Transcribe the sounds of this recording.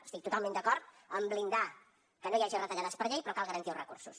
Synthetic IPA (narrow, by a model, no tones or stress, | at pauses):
əst̪ik̚t̪ut̪alˠmẽnd̪əkɔɾt̪ | əmblind̪a | kənojaʒirət̪əʎaðəspəɾʎejpɾɔkalˠɣəɾənt̪iərəkuɾsus